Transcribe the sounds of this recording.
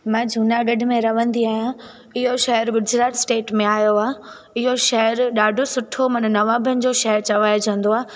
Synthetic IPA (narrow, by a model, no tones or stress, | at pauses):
mãːd͡ʑʱuːnaɠɐɖʱɪ̆mẽɾɐʋə̃nd̪iaːɦijã | ɪɦoʃɐɦəɾɡʊd͡ʑɾaːʈ̪sʈeːʈmẽaːjoaː | ɪɦoʃɐɦəɾɗaːɖʱosʊʈʰomɐn̆nɐʋãːbʱənɪ̆d͡ʑoːʃɐɦəɾt͡ɕɐʋaːjd͡ʑə̃nd̪oaː